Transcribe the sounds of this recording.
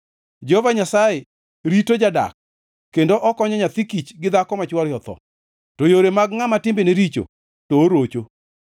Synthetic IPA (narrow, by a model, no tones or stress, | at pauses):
d͡ʒɔovaɲasaje | ɾitod͡ʒada̰kː | endoʔɔkɔɲɔɲat̪ikit͡ʃɡɪd̪akɔmat͡ʃwaljɔt̪ɔ̰ | tojoɾemaɡŋamatɪmbeneɾit͡ʃo̰ | toːɾot͡ʃo